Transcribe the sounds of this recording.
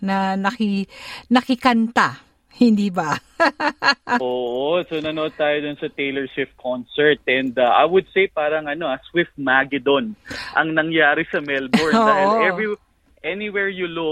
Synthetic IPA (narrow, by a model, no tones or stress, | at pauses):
nɐnɐkɪnɐkɪkɐnt̪a | hɪnd̪iːbɐ | ʔoːʔosonɐnoʔod̪̚t̪aːjod̪ʊnsɐt̪ejlɛɹʃɪft̪̚kʰonsɛɹt̪̚ʔɛ̃nd̪ɐʔa̰jwʊd̪̚sejpaːɾɐŋʔɐno̞ʔɐswɪft̪̚maːɡɪd̪onʔɐ̰ŋnɐŋjaːɾɪsɐmɛlboɹosaɛɛvi | ʔɛnɪwɛɹjulʊ